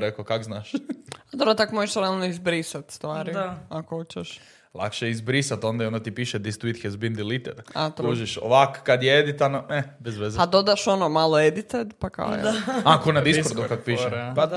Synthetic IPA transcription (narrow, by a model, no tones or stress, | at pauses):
ɾekokakznaːʃad̪obɾot̪akmoʒeʃɾealˠnoizbɾisat̪st̪ʋaːɾiakoot͡ʃeʃ | lˠa̰kʃeizbɾisat̪ond̪aionot̪ipiːʃɛd̪ist̪uit̪xezbind̪ilit̪ed̪a̰t̪ɾuːʒiʃo̰ʋakkːad̪jɛed̪it̪anoɛbezʋezad̪o̞d̪aʃo̞nomalˠoed̪it̪ed̪paka̰o̰j̰akonad̪iskɾd̪ukakopiʃepa